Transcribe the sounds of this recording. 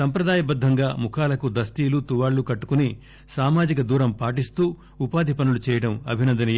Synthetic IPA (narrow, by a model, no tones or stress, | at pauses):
sɐmpɾɐd̪aːjɐbɐd̪ʱːɐŋɡaːmukʰaːlɐkud̪ɐst̪iːlut̪uʋaːɭːukɐʈːu̥kuni | saːmaːd͡ʒikɐd̪uːɾɐmpaːʈ̬ist̪uː | upaːd̪ʱipɐnulut͡ʃɛːjɐɽɐmɐ̰bʱinɐnd̪ɐnɐ